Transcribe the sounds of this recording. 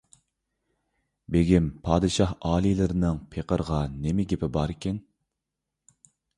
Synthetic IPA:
beɡʲimpʰɑːd̪ɨʃɑhɑːlˠilɪɾɪnɪŋpʰeqʰəɾʁɑnemɪɡʲepʰɪbɑɾɪkʲɛn

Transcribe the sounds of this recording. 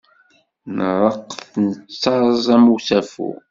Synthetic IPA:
nərˤəqːθnət͡sːɑɾˤzˤæmuθæfṵ

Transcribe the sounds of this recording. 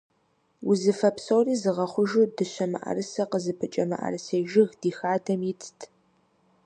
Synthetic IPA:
wʊzɨfɐpsoːriːzɨʁɐχʷʊʒudɨɕɐmɨ̰ʔɐ̰rɨsɐqəzɨpʰɨt͡ʃʼɐmɐ̰ʔɐ̰rɨseːʒɪɣd̥iːxaːtʰɐmjɪt͡sʰʼtʰ

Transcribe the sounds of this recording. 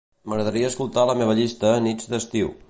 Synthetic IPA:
məɣɾəðəɾiəːskulˠt̪aləmeβ̞əʎist̪əːnid͡zd̪əst̪iw

